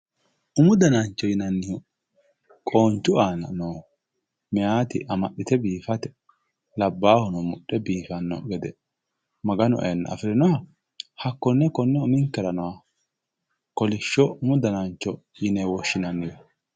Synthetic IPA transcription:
ʔʊmʊd̪ɐnant͡ʃːɔjɪnɐnːɪjɔ | kʼoːnt͡ʃːʊaːnɐ̰noː | mɛjaːt̪ɪ̰ʔɐmɐɗɪt̪ɛbiːfɐt̪ɛ̥ | lɐbːaːhɔnɔmʊɗːɛbiːfɐnːɔ̰ɡɛd̪ɛ | mɐɡɐnɔ̰ʔɐ̰jɐnːɐ̰ɐ̰fɪɾɪnɔhɐ | hɐkːɔnːɛkɔnːɛʊmɪŋkːɛɾɐnɔwa | kɔlɪʃːɔʊmʊd̪ɐnant͡ʃːɔ | jɪnɛwɔʃːɪnɐnːɪjɔ

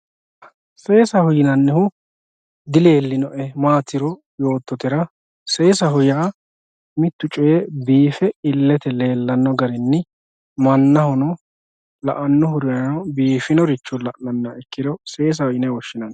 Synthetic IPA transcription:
se̞ːsɐhʊjɪnɐnːɪhʊ | d̪ɪleːlːɪnɔʔɛmaːt̪ɪɾɔ | jo̞ːt̪ːɔt̪ɪɾɐ | se̞ːsɐɦʊjɐː | mɪt̪ːʊt͡ʃʼʊjɛbiːfɛɪlːɛt̪ɛle̞ːlːɐnːɔɡɐɾɛnːɪ | mɐnːɐhɔnɔ | lɐ̰ʔɐnːɔhʊɾɪɐnɔbiːfɪnɔɾɪt͡ʃːɔlɐʔnɐnːɐɛkːɪd̪ɔse̞ːs̬ɐhʊjɪnɛwɔʃːɪnɐn

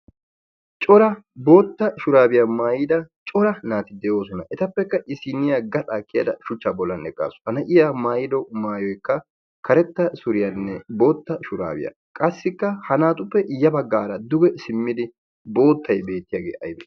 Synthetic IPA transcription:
t͡ʃʼɔɾɐbo̞ːt̪ːɐʃʊɾaːbɪjɐmaːjɪd̪ɐt͡ʃʼɔɾɐnaːt̪ɪd̪ɛjo̞ːsɔnɐʔɛt̪ɐpːɛkːɐʔɪsɪnɪjaɡɐtʼaːkʼːɪja̰ːd̪ɐ̰ʃʊt͡ʃːaːbɔlːɐnɛkʼːa̰ːsʊ̥hɐnɐʔɪjamaːjɪd̪ɔmaːjɔjkːɐ | kʰɐɾɛt̪ːɐsʊɾɪjɐnːɛbo̞ːt̪ːɐʃʊɾa̰ːbɪ̰jɐ̰ | kʼɐsːɪkːɐhɐnaːt̪ʼʊpːɛjɐbɐɡːaːɾɐd̪ʊɡɛsɪmːɪd̪ɪ | bo̞ːt̪ːɐjbe̞ːt̪ːɪjaːɡḛːʔɐ̰jbɛ

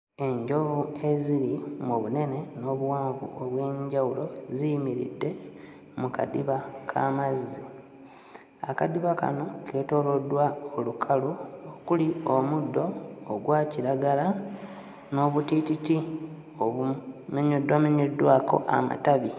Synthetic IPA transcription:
e̞ɲɟo̞vue̞ziɾimuβune̞ne̞no̞ːβuwaːɱvṵʔoβwe̞ːɲɟawulo̞zijimiɾḭdːe̞ | muka̰diβakʰa̰mazːi | akadiβaka̰no̞kʰe̞ːto̞ːlo̞dːwaolukʰaluokulio̞mudːo̞ːɡwaːciɾaɡala | no̞ːβutititi | oumeɲodwameɲodwaːko̞̰ʔa̰ma̰taβi

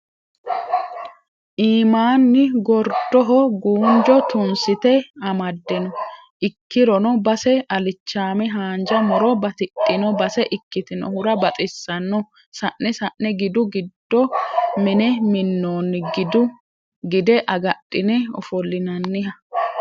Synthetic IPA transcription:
ʔiːmaːnːɪɡɔɾd̪ːɔɦɔɡuːnd͡ʒɔt̪ʊnsɪt̪ɛɐmɐd̪ːɛnɔ | ʔɪkːɪɾɔnɔbɐsɛɐlɪt͡ʃːaːmɛɦaːnd͡ʒɐmɔɾɔbɐt̪ɪtʼːɪnɔbɐsɛʔɪkːɪt̪ɪnɔ̰hʊɾɐbɐt̪ʼɪsːɐnːɔ | sɐʔːɛsɐʔːɛɡɪd̪ʊɡɪd̪ːɔmɪnɛmɪnːoːnɡɪd̪ʊ | ɡɪd̪ɛʔɐɡɐɗʼːɪnɛɔ̰fɔlːɪnɐnːɪhɐ

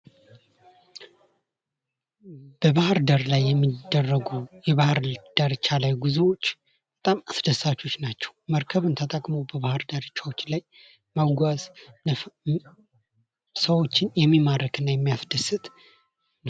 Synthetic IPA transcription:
b̥əβahɨɾd̪əɾlajːɛmːid̪ːərːəɡujɛβahɨɾd̪̥əɾt͡ʃʰalajɡuzewot͡ʃː | b̥ət̪ʼamasd̪əsat͡ʃːo̞t͡ʃːnat͡ʃːɛ̥wməɾkʰəβɨnt̪ʰət̪ʼəkʼmowbəβahɨɾd̪əɾɨt͡ʃːawot͡ʃːlaj | mawɡʷazn | səwo̞t͡ʃːɪnjɛmːimaɾəkʰɨnːajɛmːijasd̪̥əsɨt̪

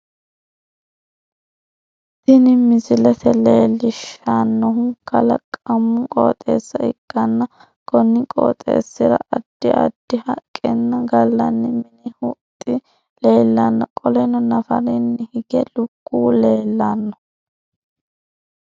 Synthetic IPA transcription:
t̪ɪnɪmɪzɪlɛt̪ʰɛleːlːɪʃanːɔɦʊkʰɐlɐ̰kʼɐmːʊkʼo̰ːt̪ʼḛːsːɐɪɡ̥ːɐnːɐ | kɔnːɪkʼo̰ːt̪ʼḛːsːɪɾɐ̰ʔɐd̪̥ːɪʔɐ̰d̪̥ːɪhɐkʼːɛnːɐɡɐlːɐnːɪmɪnɪhʊt̪ʼːɪ | le̞ːlːɐnːɐkʼɔlɛnɔnɐfɐ̰ɾɪnːɪhɪɡɛlʊɡːuːle̞ːlːanːɔ̥

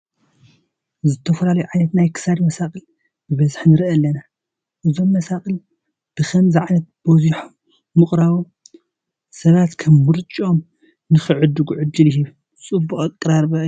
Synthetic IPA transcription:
zɨt̪ʰɐfɐlalɐjuʕajnɐt̪najkʰɨ̥sad̪mɐsakʼɨl | b̥ɨβɐzħnɨɾʔɐlːɐna | ʔɨzo̞mːɐsaχʼɨl | b̥ɨxʰɐmzɨʕanɐt̪̚boziħo | mɨχʼɾaβo | sɐβat̪kʰɐmːɨɾt͡ʃʼio̞m | nɨxɨʕɨd̪ɨɡuʕɨd̪ɨlɦiβ | t͡sʼɨbuχʼɐkʼɨɾaɾbɐ

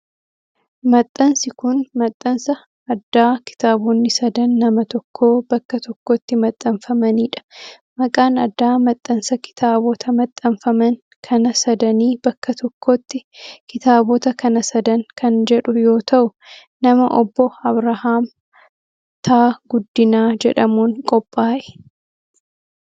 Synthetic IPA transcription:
mɐt̪ʼːɐnsɪkʊnmɐt̪ʼːɐnsɐː | d̪ːaːkɪ̥t̪aːboːnːɪsɐd̪ɐnːɐmɐt̪ɔkʰːoːbɐkːɐt̪ɔkːoːt̪ːɪmɐt̪ʼːɐɱfɐmɐniːᶑɐ̥ | mɐkʼaːnɐd̪ːaːmɐt̪ʼːɐnsɐkɪ̥t̪ʰaːbɔt̪ʰɐmɐt̪ʼːɐnfɐmɐŋ | kʰɐnɐsɐd̪ɐniːb̥ɐkːɐt̪ɔkːoːt̪ːɪkɪt̪aːbɔːt̪ɐkʰɐnɐsɐd̪ɐŋkʰɐnd͡ʒɛᶑʊjo̞ːt̪ɐʔʊ | nɐmɐʔɔbːɔɐbɾɐhaːm | t̪ʰaːɡʊd̪ːɪnaːd͡ʒɛᶑɐmuːŋkʼɔpʼːaːʔɛ̥

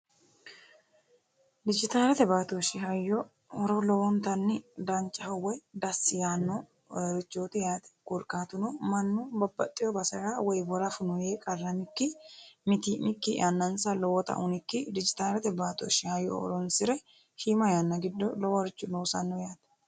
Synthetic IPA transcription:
d̪ɪd͡ʒɪt̪aːlɛt̪ɛbaːt̪oʃɪɦɐjːɔ | ɔɾɔlɔwɔnt̪ɐnːɪd̪ɐnt͡ʃʼːɐhɐwɔjd̪ɐsːɪjanːɔ | ɾɪt͡ʃːoːt̪ɪjaːt̪ɛ̥kʊɾkʼaːt̪ʊnɔmɐnːubɐbːɐ̰t̪ʼːɪjɔbɐsɐɾawɔjbɔɾɐfʊnɔjeːkʼɐrːɐmɪkːɪmɪt̪imɪkːɪ̰ʔɐnːɐnsɐlɔwɔt̪ɐ̰ʔʊnɪkːɪd̪ɪd͡ʒɪt̪aːlɛt̪ɛbaːt̪o̰ːʃɪhɐjːɔ̰ɔ̰ɾɔnsɪɾɛ | ʃimɐjanːɐɡɪd̪ːɔlɔwɔɾɪt͡ʃːʊnoːsɐ̰nːɔjaːt̪ɛ̥

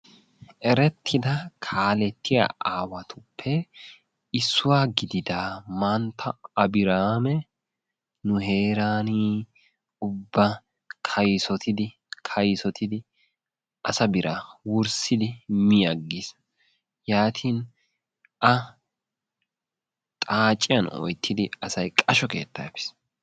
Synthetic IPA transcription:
ʔɛɾɛt̪ʰːɪd̪ɐkʰaːlɛt̪ːɪja̰ʔaːwɐt̪ʰʊpʰːɛ | ɪsːʊwaːɡɪd̪ɪd̪aːmant̪ʰːɐɐbɪɾaːmɛ | nʊɦe̞ːɾaːniː | ʊbːɐ | kʰɐjsɔt̪ɪd̪ɪ | kʰɐjsɔt̪ʰɪd̪ɪ | ʔɐsɐbɪɾʔaːwʊɾsɪd̪ɪmɪjɐɡːɪs | jaːt̪ʰiːn | ʔɐ | t̪ʼaːt͡ʃʼːɪjɐnɔ̰jt̪ʰːɪd̪ɪɐsɐjkʼɐʃɔke̞̰ːt̪ːapɪ̥s

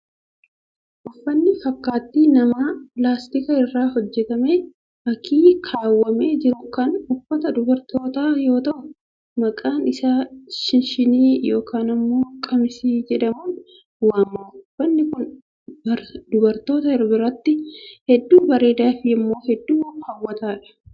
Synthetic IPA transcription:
ʔʊfːɐnːɪfɐkːaːt̪ːiːnɐmaːplaːst̪ɪkɐɪrːaːhɔd͡ʒːɛt̪ɐme̞ː | ʔɐkʰiːkʰaːwːɐme̞ːd͡ʒɪɾʊkɐnʊfːɐt̪ɐd̪ʊbɐɾt̪o̞ːt̪aːjo̞ːt̪ɐʔʊ | mɐkʼaːnɪsaːʃɪnʃɪniːjo̞ːkaːnɐmːo̞ːkʼɐmɪsiːd͡ʒɛᶑɐmun | waːmɐʊfːɐnːɪkʊn | bɐɾd̪̥ʊbɐɾt̪o̞ːt̪ɐɪɾbɪɾɐt̪ːɪhɛd̪ːuːbɐɾe̞ːd̪aːfɪɐmːo̞ːhɛd̪ːuːhɐwːɐt̪aːᶑɐ̥

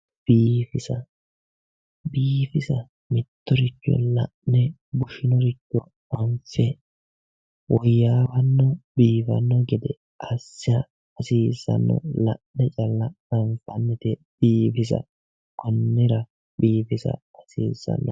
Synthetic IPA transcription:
b̥iːfɪsɐ | biːfɪsɐ | mɪt̪ːɔɾɪt͡ʃːɔ̰lɐʔnɛ | bʊʃɪnɔɾɪt͡ʃːɔ | ɐɱfɛ | wɔjːaːwɐnːɔbiːfɐ̰nːɔɡɛd̪ɛ | ʔɐsːɪɐː | siːsɐ̰nːɔ̰lɐʔnɛt͡ʃʼɐlːɐ | ɐɱfɐnːɛt̪ɛ | b̥iːfɪs̬ɐ̰ | kɔnːɪɾɐ | biːfɪsɐ̰ | ɐsiːsɐ̰nːɔ

